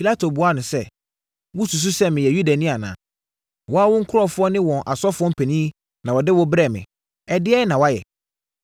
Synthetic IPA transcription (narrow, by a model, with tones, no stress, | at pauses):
pʰi˨la˦tʰo˨bu˨a˦nʊ̃˨sɛ˦˨ | wʊ̃˦su˨s̬u˦sɛ˦mɪ̃˨jɛ˨ju˦da˨nĩ˦a˨nã̰ː˨ | wɔ˦a˦wʊ̃˦ŋ̩˦kʰʊ˦ɾɔ˦fʊ˦ɔ˦nɪ̃˦wɔ̃˨nʔa˨sɔ˦fʊ˦ɔ˦m̩˦pʰɛ˨nĩ˦ | nã˨wɔ˨dɪ˦wɔ˦bɾɛ˦˨mɪ̰̃˨ | ɛ˨dɪ˦ɛ˦nã˨wa˦jɛ̰˨